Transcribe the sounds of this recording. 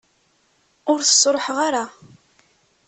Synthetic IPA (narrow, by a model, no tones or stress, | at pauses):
ʊɾθə̥sːɾˤħʁaɾa